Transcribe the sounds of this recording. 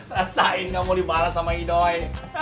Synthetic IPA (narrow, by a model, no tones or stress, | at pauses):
t̪əɾasaɪnŋamulibalasamaidɔj